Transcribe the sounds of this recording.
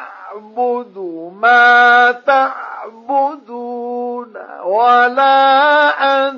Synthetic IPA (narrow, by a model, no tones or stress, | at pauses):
bʊd̪maːt̪aʕbʊd̪una̰walaːʔa